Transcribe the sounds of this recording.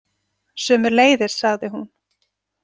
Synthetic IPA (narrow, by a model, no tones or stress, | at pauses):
sœːmʏɾleːjðɪɾ̥saɣðɪɦun